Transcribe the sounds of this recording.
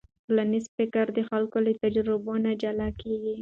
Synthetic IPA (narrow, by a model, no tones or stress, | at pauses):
tlanizfɪkɾd̪əxalkolat̪ad͡ʒɾɪbonad͡ʒalɑkeɡi